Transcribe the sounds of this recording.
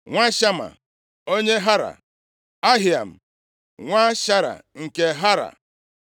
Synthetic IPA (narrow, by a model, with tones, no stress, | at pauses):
ŋʷa˦ʃa˦ma̰˨ | o˦ɲe˦ɦa˦ɾa̰˨ | a˦ɦɪ˨a˨m̩˨ | ŋʷa˦ʃa˦ɾa̰˨ŋ̩˨ke˦ɦa˦ɾa̰˨